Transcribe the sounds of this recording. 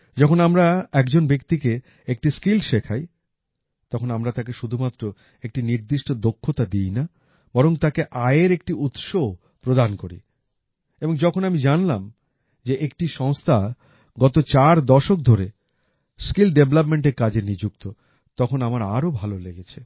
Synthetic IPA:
d͡ʑɔkʰonamɾaɛkd͡ʑonbekt̪ike | ek̚ʈiskilʃekʰaj | t̪ɔkʰonamɾat̪ak̬eʃud̪ʱumat̪ːɾo | ek̚ʈiniɾd̪iʃʈod̪okʰːot̪ad̪ijna | b̥ɔɾoŋt̪akeʔaeɾek̚ʈiut̪ʃo | pɾod̪ankoɾḭ | eboŋd͡ʑɔkʰonamid͡ʑanlam | d͡ʑeʔekʈiʃɔŋst̪ʰa | ɡɔt̪ot͡ɕaɾd̪ɔʃok̚d̪ʱoɾe | skilɖeblapmeɳʈ̬eɾkad͡ʑenid͡ʑuk̚t̪o | t̪ɔkʰonamaɾa̰ɾobʱaloleɡet͡ɕʰe

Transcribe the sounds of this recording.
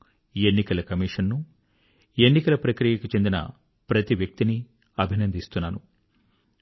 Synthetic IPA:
e̞nːikɐlɐkɐmiːʂɐnːu | e̞nːikɐlɐpɾɐkɾijɐkut͡ʃe̞nd̪inɐ̰ | pɾɐt̪iʋjɐk̚t̪ini | ɐbʱinɐnd̪ʱist̪unːaːnu

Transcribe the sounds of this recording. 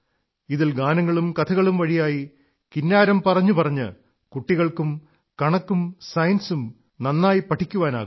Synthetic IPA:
iðilɡaːnɐŋːɐɭumkɐt̪ʰɐɣɐɭumʋɐɻijaːji | kinːaːɾɐmpɐrɐɲːupɐrɐɲːɨ̰ | kuʈːiɣɐɭkum | kɐɳɐkːumsɐjɐnsum | nɐnːaːjipɐʈʰikʲːuʋaːna̰ːɣum

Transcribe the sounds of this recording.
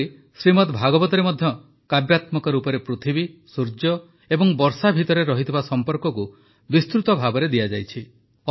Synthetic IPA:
i | sɾimɔt̪bʱaɡɔbɔt̪ɔɾemɔd̪ʱjɔ | kabjat̪mɔkɔɾupɔɾepɾot̪ʰibisuɾd͡ʒjɔ | ebɔŋbɔɾsabʱit̪ɔɾeɾɔɦit̪ʰibasɔmpɔɾkɔku | bist̪ɾut̪ɔbʱabɔɾed̪iad͡ʒajt͡ʃʰi

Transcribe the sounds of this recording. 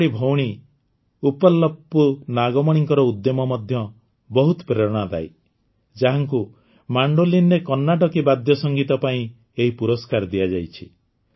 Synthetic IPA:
ɽibʱowɽ̃i | upɔlːɔpːunaɡɔmɔɽ̃iŋkɔɾɔud̪jɔmɔmɔd̪ʱjɔ | bɔɦut̪ɔpɾeɾɔɽ̃ad̪a̰j | d͡ʒaɦaŋku | maɳɖolinɾekɔnːaʈɔkibad̪ʱjɔsɔŋɡit̪ɔpaĩ | eɦipuɾɔskaɾd̪iad͡ʒajt͡ʃʰi

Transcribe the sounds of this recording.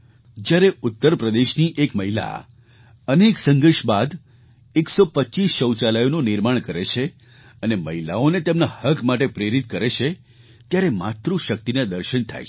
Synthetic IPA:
d͡ʒjaɾeʊt̪ːəɾpɾəd̪eʃniʔekməɦila̰ | əneksə̃ŋɡəɾʃbad̪ | eksopətːt͡ʃisʃəwt͡ʃalajonũnɪɾmaɳkəɾḛt͡ʃʰe | əneməɦila̰onet̪emnahəkmaʈ̬epɾeɾit̪̚kəɾet͡ʃʰe | t̪jaɾemat̪ɾuʃək̚t̪inad̪əɾʃənt̪ʰa̰j

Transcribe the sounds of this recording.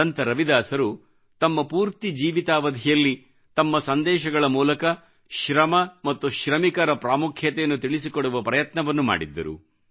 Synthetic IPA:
ɐnt̪ɐɾɐʋid̪aːsɐɾu | t̪ɐmːɐpuːɾt̪id͡ʒiːʋit̪aːʋɐd̪ʱijɐlːi | t̪ɐmːɐsɐnd̪ɛːʃɐɡɐɭɐmuːlɐkɐ | ʃɾɐmɐmɐt̪ːuʃɾɐmikɐɾɐpɾaːmukʰjɐt̪ɛjɐnːut̪iɭisikoɽuʋɐpɾɐjɐt̪nɐʋɐnːuma̰ːɽid̪ːɐ̰ɾṵ

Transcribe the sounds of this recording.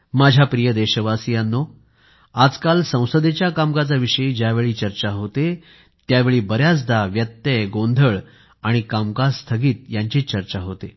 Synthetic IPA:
mad͡ʑʱjapɾijəd̪eɕəʋasijanːo | ad͡zkalsə̃w̃səd̪et͡ɕjakamkat͡saʋiʂəid͡ʑjaʋeɭiːt͡ɕəɾt͡ɕaɦot̪e | t̪jaʋeɭiːbəɾjat͡sd̪aʋjət̪ːəɡond̪ʱəɭ | aɽ̃ikamkast̪ʰəɡiːt̪jaɲt͡ɕiːt͡ɕəɾt͡ɕaɦot̪e

